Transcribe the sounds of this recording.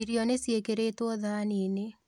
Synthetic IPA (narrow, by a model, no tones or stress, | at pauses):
iɾjɔnesjekeɾetwɔðaːniːne